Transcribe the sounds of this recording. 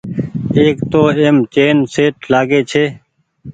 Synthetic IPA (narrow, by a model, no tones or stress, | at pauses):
eːkt̪oːemt͡ʃeːnseːʈlaːɡeːt͡ʃʰeː